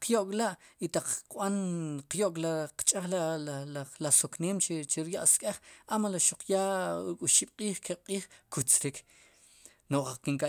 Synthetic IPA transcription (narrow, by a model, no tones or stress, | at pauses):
qjoʔkʼlaʔit̪aq͡χqɓanqjoʔkʼlaqt͡ʃʼaχlalllasokneːmt͡ʃt͡ʃiɾjaʔskʼeχamalaʃuq͡χjaɾukʼuʃiɓ̥qʼiːχkʰeqʼiːχkut͡sɾik | noʔakiŋkʼa